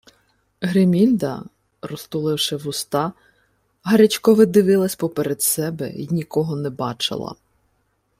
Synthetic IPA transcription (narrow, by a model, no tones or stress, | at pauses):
ɦɾemʲilʲd̪ɐ̰ | ɾɔst̪ʊlˠɪwʃɛʋʊst̪ɑ | ɦɐɾʲɛt͡ʃkɔʋɪd̪ɪʋɪlˠɐsʲpɔpeɾed̪sɛbɛ̰inʲikɔɦɔnɛbɑt͡ʃɪ̰lˠɐ̰